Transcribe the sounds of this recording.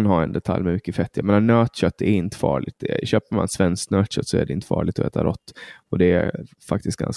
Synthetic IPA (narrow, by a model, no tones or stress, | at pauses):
nhɑːɛnd̪ɛt̪ʰaljmɛmʏkːəfɛt̪ːjameːnanøːt̪ɕœt̪ʰːɛɾɪnt̪ə̥fɑ̰ːɭɪt̪d̪ɛɕøːpəɾma̰nsvɛnsknœːt̪ɕœt̪ːsɔɛ̰ɖɛɪnt̪ə̥fɑ̰ːɭɪɡ̚t̪ɔɛ̰ːt̪a̰ɾʔɔt̪ːɔd̪ɛæfak̚t̪ɪst̪ɡa̰ns